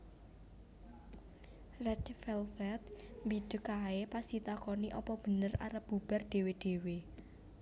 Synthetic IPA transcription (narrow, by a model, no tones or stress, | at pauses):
rɛtfɛlfɛt̪̚mbid̥ə̤kaepasit̪akɔniʔɔpɔb̥ə̤nəra̰ɾəp̚b̥ṳb̥ə̤rd̥e̤weɖ̥e̤we